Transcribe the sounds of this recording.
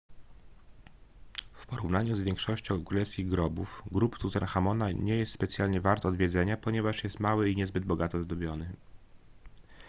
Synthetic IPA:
fpɔɾuvnaɲuzvʲjɛŋkʂɔɕt͡ɕɔ̃w̃kɾulɛfskʲiɣɡɾɔbufɡɾupt̪uzɛnxamɔnaɲɛjɛst̪spɛt̪sʲjalɲɛvaɾt̪ɔd̪vʲjɛd̪zɛɲapɔɲɛvaʂjɛst̪mawɘiɲɛzbɘd̪bɔɡat̪ɔzd̪ɔbʲjɔnɘ

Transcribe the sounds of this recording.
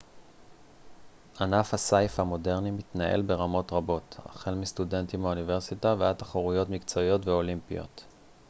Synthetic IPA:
anafhasajfhamo̞de̞ʁnimitnaʔe̞̰lbe̞ʁamo̞tʁabo̞ta̰χelmistude̞ntimaunive̞ʁsitaveat̪aχaʁujo̞tmikt͡so̞io̞tveo̞limpijo̞̰t

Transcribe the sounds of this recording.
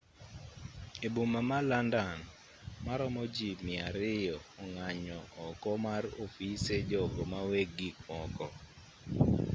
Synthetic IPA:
ebumamalandan | maɾɔmɔd͡ʒimɪaɾɪjɔɔŋaɲɔɔkɔmarofised͡ʒɔɡɔmaweɡikmɔkɔ

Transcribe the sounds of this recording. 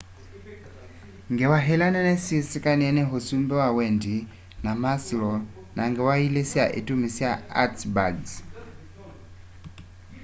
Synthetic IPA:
ŋɡɛwaɦɛlanɛnɛsisikʼaniɛnɛɦusumbɛwawɛndi | namasilɔ | naŋɡɛwailesia̰ʔitʼumisiaa̰tbaɡs

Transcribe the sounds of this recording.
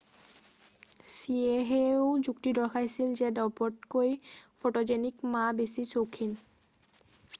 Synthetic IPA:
sieɦeod͡ʑukʈid̪ɔɹkʰajsild͡ʑedɔpɔʈ̚kojfʰoʈod͡ʑenikmabesit͡ɕowkʰːin

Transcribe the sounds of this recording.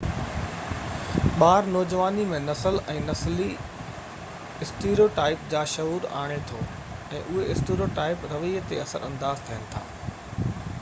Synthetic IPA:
ɓaːɾnɔːd͡ʑʋaːnimẽnɐsəlɛ̃ːnɐsli | ɪsʈeːɾioʈaːɪpd͡ʑaːʃɐuːɾa̰ːɽ̃et̪ʰoː | ɛ̃ːʔʊɦeɪsʈeːɾijoːʈaːɪpɾɐʋit̪eɐsəɾɐ̃nd̪aːzt̪ʰɐɦənɪ̆t̪ʰa̰ː

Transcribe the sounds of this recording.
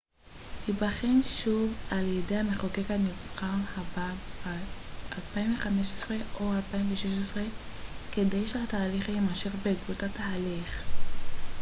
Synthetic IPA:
hibaχenʃuvaljedejhameχokekanivχahababaʔalpaimveχameʃesʁe̞o̞alpaimveʃeʃesʁe | ke̞dejʃeataːliχajemaʃe̞ʁbeɡvutataaliχ

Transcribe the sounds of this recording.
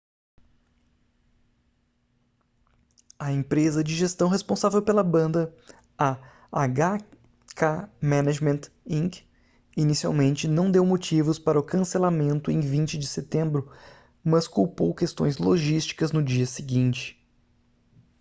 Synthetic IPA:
ɐẽpɾezɐd͡ʒɪʒest̪ɐ̃w̃ɦespõsavewpelɐbɐ̃nd̪ɐ | a | aɡa | kʰamɛ̃naʒmẽnt̪ | ĩŋɡ | inisia̰wmẽnt͡ʃɪnɐ̃w̃d̪ewmot͡ʃivʊspaɾɐʊkɐ̃selamẽnt̪ʊẽj̃vĩnt͡ʃɪd͡ʒɪset̪ẽmbɾʊ | mɐskuwpowkest̪õ̰j̃zloʒist͡ʃi̥kɐznʊd͡ʒiɐsɪɡĩt͡ʃɪ̥

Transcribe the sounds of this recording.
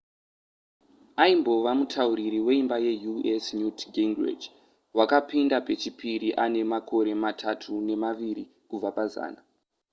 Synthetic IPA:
aimbo̞ʋamutʰauɾiɾiwe̞imbaje̞juesnjutɡiŋɡrḛd͡ʒ | wakapindape̞t͡ʃipiɾiʔane̞makʰo̞ɾe̞matʰatʰune̞maʋiɾi | kub͡vapaza̰ːna

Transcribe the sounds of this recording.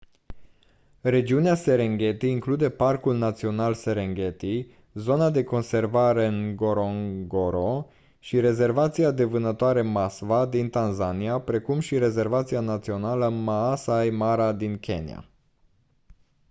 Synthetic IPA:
re̞d͡ʒiunease̞ɾeŋɡʲe̞t̪iːŋklud̪e̞parkulnat̪sio̞nalse̞ɾeŋɡe̞t̪i | zo̞nad̪e̞ko̞nse̞rvaɾe̞ɨŋɡoɾoŋɡoɾo | ʃiɾe̞ze̞rvat̪siad̪e̞vɨnət̪oaɾe̞masvad̪int̪anzaniapɾe̞kumʃiɾe̞ze̞rvat̪sianat̪sio̞naləmaːsajmaɾad̪inkʰʲe̞̰nḭa̰

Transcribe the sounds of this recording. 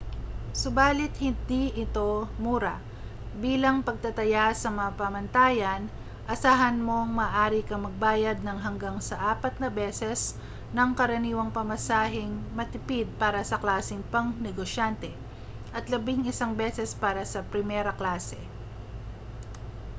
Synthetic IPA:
sʊbaːlɪt̪hɪnd̪iʔɪt̪o̞muːɾɐ̰ | biːlɐŋpɐɡ̚t̪ɐt̪ɐjasɐmɐapɐmɐnt̪aːjɐn | ʔɐsaːɦɐnmo̞ŋmɐːʔaːɾɪkɐmɐɡ̚baːjɐd̪̚nɐŋɦɐŋɡaŋsɐʔaːpɐt̪̚nɐbɛːsɛs | nɐŋkɐɾɐniːwɐŋpɐmɐsaːɦɪŋmɐt̪ɪpid̪̚paːɾɐsɐklaːsɪŋpɐŋnɛɡoʃant̪ɛ | ʔɐt̪lɐbɪŋɪsaŋbɛsɛspaːɾɐsɐpɾɪmɛɾɐklaːsɛ̰

